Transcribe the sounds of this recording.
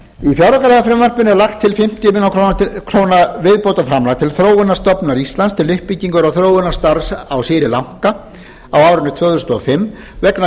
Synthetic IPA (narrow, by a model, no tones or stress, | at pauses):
ifjawɾakalɛːɣafɾɛmvar̥pɪnɛɾlaxt̪ʰːɪlfɪm̥t̪jʏmɪːnawkʰɾokʰɾoːwnavɪðpowt̪afɾamlat̪ʰɪlθɾoːwʏnːast̪œpnaɾist̪lanst̪ʰɪlʏhpːiciŋkʏɾawθɾoːwʏnːḁst̪aɾsawsɪːɾɪlaŋ̥ka | awaːwɾʏnːʏt̪ʰvœːɣðɾʏst̪ɔɔfɪmː | vɛkna